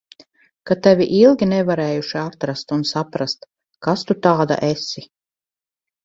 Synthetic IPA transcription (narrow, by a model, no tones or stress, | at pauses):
kat̪ɛvʲiʔilˠɡʲinɛvaɾɛːjuʃiat̪ɾast̪unsapɾast̪ | kast̪ut̪aːd̪a̰ʔesi